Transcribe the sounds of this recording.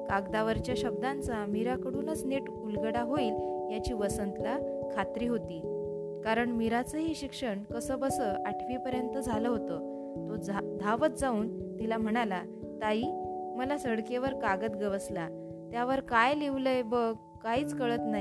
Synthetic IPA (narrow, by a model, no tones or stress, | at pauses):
kaɡd̪aʋəɾt͡ɕjaɕəb̚d̪ant͡samiɾakəɽuːnət͡sneʈ | ulɡəɽaɦoiːljat͡ɕiːʋəsənt̪lakʰat̪ɾiːɦot̪iː | kaɾəɳmiɾat͡səɦiːɕikʂəɳkəsəːbəsəʔaʈʰʋipəɾjənt̪əd͡zʱaləɦot̪ə | t̪od͡zd̪ʱaʋət̪d͡zauːnt̪ilam̤əɽ̃ala | t̪aiːməlasəɽkeʋəɾkaɡət̪ɡəʋəsla | t̪jaʋəɾkajliʋləjbəɡ | kaiːt͡skəɭət̪nai